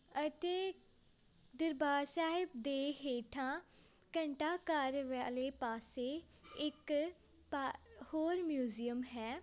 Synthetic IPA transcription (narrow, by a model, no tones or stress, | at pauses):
ət̪eː | d̪əɾbaːɾsaːɦɪb̚d̪eːɦeːʈʰãː | kə̃ɳʈaːkaːɾʋɛːleːpaːseː | ɪk | pahoːɾmjuːzijəmɦɛː